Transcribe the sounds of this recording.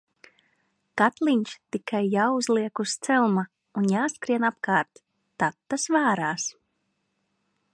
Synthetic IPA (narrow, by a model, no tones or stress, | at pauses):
kat̪lˠiɲʲt͡ʃt̪ikajːawuzlˠiɛkust̪sɛlˠma | unjaːskɾiɛnapkaːɾt̪ː | at̪ːasvaːɾaːs